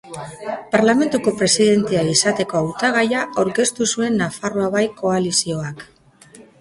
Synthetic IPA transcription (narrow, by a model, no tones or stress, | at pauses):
paɾlame̞nt̪uko̞pɾe̞siðe̞nt̪eaisat̪e̞ko̞awt̪aɣ̞ajaʔoɾke̞st̪usue̞nːafaro̞aβajko̞alisio̞ak